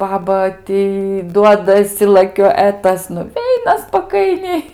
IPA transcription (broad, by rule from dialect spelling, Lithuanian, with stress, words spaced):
ˈbɑːbɐ ˈtʲiː ˈduɔdɐsʲɪ lˠɐˈkʲoː ɛ ˈtɐs nʊˈʋʲɛɪnɐ spɐˈkɐɪnʲɛɪ